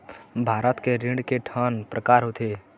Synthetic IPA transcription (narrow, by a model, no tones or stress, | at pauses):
bʱaːɾət̪keɾɪ̃ɖkeʈʰəːnpɾəkaːɾɦot̪ʰeː